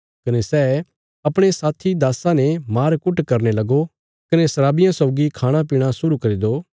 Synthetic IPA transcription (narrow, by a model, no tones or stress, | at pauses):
kɐnesɛː | ɐpɽ̃esaːt̪ʰid̪aːsãnemaːɾkʊʈkɐɾnelɐɡo | kɐnesɐɾaːbɪjãsɔːɡikʰaːɽ̃apiːɽ̃asʊɾukɐɾid̪oː